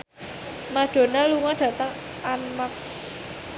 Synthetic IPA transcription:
maɖ̥o̤naluŋaɖ̥ä̤t̪əŋ | ʔanmak̚

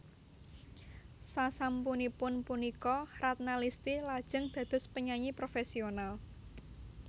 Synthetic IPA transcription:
sasampunipʊnpunikɔɾat̪̚nalist̪ilad̥ʒ̥ə̤ŋd̪̥ä̤d̪̥ʊ̤spəɲaɲipɾofɛsional

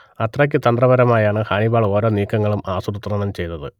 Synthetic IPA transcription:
ɐt̪rɐk̬ʲːɨt̪ɐnd̪rɐʋɐɾɐmaːjaːɳɨhaːɳibaːɭo̞ːɾo̞ːniːkːɐŋːɐɭumaːsuɾut̪ːrɐɳɐmt͡ɕe̞jnɐðɨ̰

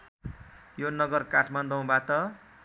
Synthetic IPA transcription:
jonʌɡʌrkaʈʰmand̪ʌw̃bat̪ʌ

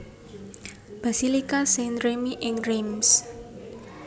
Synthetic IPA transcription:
b̥asilikasenɾemiʔɪŋɾims

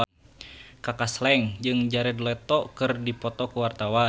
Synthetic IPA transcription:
kakaslɛŋd͡ʒɨŋd͡ʒaɾɛdlɛt̪ɔkɨrdipɔt̪ɔkuwart̪awa

